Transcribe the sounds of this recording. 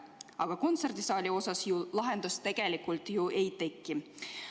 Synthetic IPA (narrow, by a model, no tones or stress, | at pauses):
ɑɡ̥ɑko̞nt̪se̞rd̪isɑːlʲio̞sɑsjulɑɦe̞nd̪̥ust̪e̞ɡ̥e̞likːult̪juʔe̞jt̪e̞kːi